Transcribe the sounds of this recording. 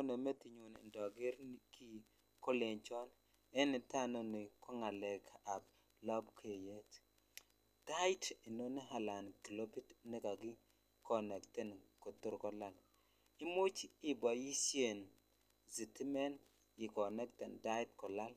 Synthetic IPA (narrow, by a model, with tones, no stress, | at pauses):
o˦ne˨me˦ti˨ɲu˨nḭ˨ndɔ˨ɡɪ˦ɾkʰi˦ | kɔ˦le˨nt͡ʃɔ˦n | ɛ˦ni˨ta˦no˦ni˨kʰɔ˦ŋa˨lɛ˨kʰa˨b | lɔ˦bkʰe˨je˦t | d̥a˦ɪ˦ti˨no˦ni˦ɦa˨la˨nki˨lo˦bi˦tnɛ˦ka˨ɡɪ˦ | kɔ˨nɛ˨ktɛ˨nkɔ˨t̪ʊ˦ɾkɔ˦la˨l | ɪ˦mʊ˦t͡ʃɪ˦bɔ˨ji˦sje˨n | zi˨ti˦mɛ˦n | ɪ˨kɔ˨nɛ˦k̚tɛ˨nda˦jt̚kɔ˨la˦l